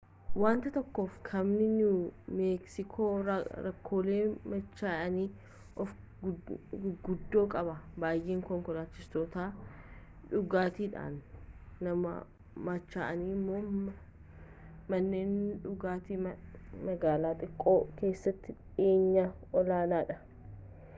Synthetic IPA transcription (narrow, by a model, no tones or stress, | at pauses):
waːnt̪ɐt̪ɔkːo̞ːfkʰɐmnɪnʊmeːksɪkʰoːɾɐkʰːo̞ːle̞ːmɐt͡ʃːaːʔɐniː | ʔɔf | ɡʊd̪ːo̞ːkʼɐbɐbaːjʔeːŋkɔŋkɔlaːt͡ʃːɪst̪ɔt̪aː | ᶑʊɡaːt̪iːᶑa̰ːnː | ɐmɐ̰ | mɐt͡ʃːaːʔɐniːmːoː | mɐnːeːnᶑʊɡaːt̪iːmɐɡaːlaːt̪ʼɪkʼːoːke̞ːsːɐt̪ːɪᶑeːɲːa | ɔlaːnaːᶑɐ